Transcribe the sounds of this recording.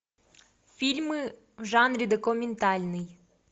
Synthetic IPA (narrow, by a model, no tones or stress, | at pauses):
fʲilʲmɪ | ʒɑnɾʲid̪ekɔmʲɪnt̪ɑlʲnɪj